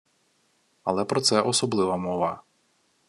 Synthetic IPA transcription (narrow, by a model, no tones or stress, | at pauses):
ɐlˠɛpɾɔt̪sɛʔɔsɔblˠɪʋɐmɔʋɑ